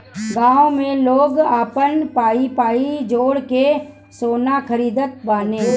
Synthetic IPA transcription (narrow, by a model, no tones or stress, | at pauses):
ɡãːõmẽloːɡaːpənpaːipaːid͡ʒoːɽke | soːnakəɾiːd̪ət̪̚baːneɦ